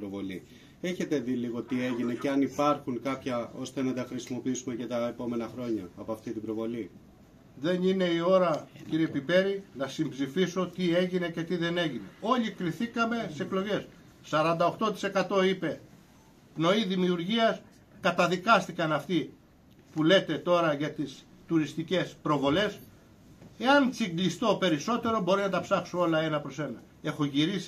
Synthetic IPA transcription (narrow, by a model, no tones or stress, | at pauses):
ɾovo̞li | e̞çe̞t̪e̞ðiliɣo̞t̪ie̞ʝine̞ce̞ɐnipɐɾxuŋkɐpçɐo̞st̪e̞nɐt̪ɐxɾisimo̞piisume̞ce̞t̪ɐepo̞menɐxɾo̞ɲɐːpoɐft̪it̪ibɾo̞vo̞li | ðe̞nine̞io̞ɾɐciɾiepipe̞ɾinɐsimbzifiso̞t̪ie̞ʝine̞ce̞t̪iðe̞ne̞ʝine̞̰o̞ʎikɾiθikɐme̞se̞klo̞ʝe̞s | sɐɾɐnd̪ɐo̞xt̪o̞t̪i̥se̞kɐt̪o̞ipe̞ | no̞iðimiuɾʝiɐs | kɐt̪ɐðikɐst̪ikɐnɐft̪i | pule̞t̪e̞t̪o̞ɾɐʝɐt̪is | t̪uɾist̪ice̞spɾo̞vo̞le̞s | e̞ɐnt͡siɡlist̪o̞pe̞ɾiso̞t̪e̞ɾo̞bo̞ɾinɐt̪ɐpsɐksoo̞lɐe̞nɐpɾo̞se̞nɐ | e̞xo̞ʝiɾisi̥